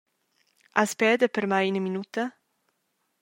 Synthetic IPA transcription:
ʔaspɛːd̪əpəɾmajinəminut̪ə

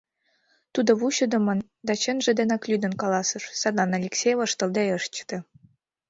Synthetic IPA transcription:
t̪ud̪ŏβuɕə̆d̪ɤ̆mɤ̆n | d̪ɑt͡ɕenʒĕd̪enɑklʲyd̪ə̆nkɑlˠɑsɤ̆ʃsɑd̪lˠɑnɑlʲeksʲejvɤ̆ʃt̪ɤ̆ld̪eɤ̆ʃt͡ɕt̪ĕ

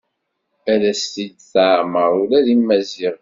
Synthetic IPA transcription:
ælæst̪id̪θaʕməɾulæðimːæziʁ

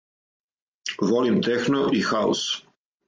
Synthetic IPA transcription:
ʋolimt̪exnoʔixaṵs

